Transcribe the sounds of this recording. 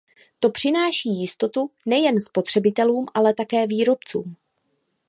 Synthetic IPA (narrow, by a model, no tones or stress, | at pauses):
t̪o̞pr̝̥ɪnaːʃiːjɪst̪o̞t̪unɛjɛnspo̞t̪r̥ɛbɪt̪ɛluːmʔalɛt̪akɛːviːɾo̞pt͡sṵːm